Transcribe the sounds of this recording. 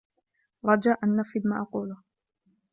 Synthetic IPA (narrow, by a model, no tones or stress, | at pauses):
ɾˤɑd͡ʒaʔanːafid̪maʔɑquːlʊ